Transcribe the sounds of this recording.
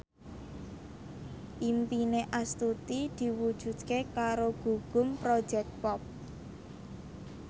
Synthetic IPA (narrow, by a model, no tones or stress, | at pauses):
ʔimpineʔast̪ut̪id̪̥i̤wud̥ʒ̥ṳd̪̥̚kekaɾoɡ̥ṳɡ̥ʊ̤mpɾod̥ʒ̥ɛk̚t̪̚pɔp̚